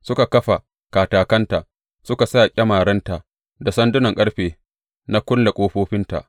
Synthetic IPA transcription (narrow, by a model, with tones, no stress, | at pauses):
sʊ˦ka˨kɐ˦ɸa˨ | kaː˨taː˨kɐ˦nta˨ʔ | sʊ˦ka˨saː˦˨kʲʼɐ˦maː˨ɽɐ˦nta˨ | da˨sɐ˦ndʊ˦nɐ˨ŋkʼɐ˦ɽɸeː˨ | na˦kʷʊ˦nla˨kʷʼoː˦ɸoː˦ɸɪ˦nta̰˨ʔ